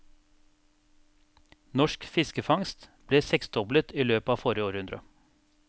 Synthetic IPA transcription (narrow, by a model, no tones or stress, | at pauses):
nɔʃkfɪskəfɑŋst̪b̥leːsɛksd̪ɔblət̪iːløːpɑːfɔɾɪəoːɾhʉnd̪ɾə̰